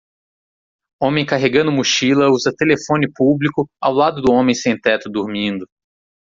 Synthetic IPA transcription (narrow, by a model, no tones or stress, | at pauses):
õmẽj̃kaɦeɡɐ̃nd̪ʊmuʃilɐuzɐt̪elefõnɪpublikʊa̰wlad̪ʊd̪ʊõmẽj̃sẽj̃t̪ɛt̪ʊd̪uɾmĩnd̪ʊ